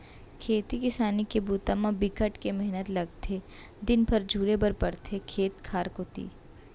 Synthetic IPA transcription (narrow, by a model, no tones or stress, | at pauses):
kʰeːt̪ikɪsaːnikebuːt̪amãbɪkəʈkemɛɦnət̪lɐɡ̚t̪ʰe | d̪ɪnpɐɾd͡ʒʱuːɾebɐɾpɐɾt̪ʰekʰeːt̪kʰaːɾkɦoːt̪ḭː